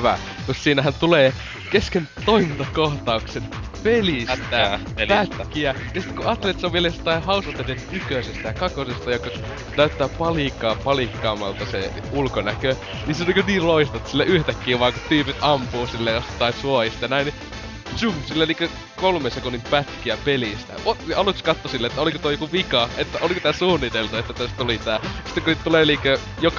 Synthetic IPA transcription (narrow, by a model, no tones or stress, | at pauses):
ʋæ̰ | mussiːnæhænt̪uleː | keskent̪oimint̪ɑkoht̪ɑuksen | pelist̪ːæ | lpæt̪kːiæjɑsit̪ːkuɑːt̪ːelet̪seoʋielejost̪ːˑɑihɑusɑt̪ːenenykøsest̪æjɑkɑkosest̪ɑjokːɑ | t̪æyt̪ːæːpɑlikːˑɑːpɑlikːɑːmːˑɑ̰lt̪ɑsḛ | ulkonækø | niseniːkøniːlloist̪ɑt̪ːsilːeʔyht̪ækːiːʋʋɑːŋkut̪yːpit̪ɑmpuːsilːejost̪ːɑˑisuoist̪ɑjɑnæini | t͡ʃuhsilːeniːŋkø | kolmensekunːimpæt̪kiæpelist̪æ̰ot̪ɑlukskɑt̪ːosilːeet̪ːæolikot̪oijokuʋikɑet̪ːæʔolikot̪æːsuːnːit̪elt̪uet̪ːæt̪æst̪t̪ulit̪æːsit̪ːækunit̪t̪uleniːkø | jok